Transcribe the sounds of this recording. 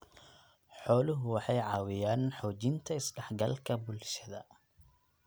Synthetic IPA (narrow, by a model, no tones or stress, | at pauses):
ħɔːlʊɦʊwɑħɑjʕɑːwɪjaːnħɔːt͡ʃɪnt̪ʰɐɪsɖɛħɡɐ̰lkʰɐbʊlʃɐðɐ